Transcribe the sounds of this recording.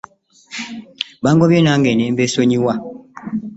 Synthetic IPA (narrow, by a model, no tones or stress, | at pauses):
baŋɡɔbjenaŋɡɛnem̩besoɲiwa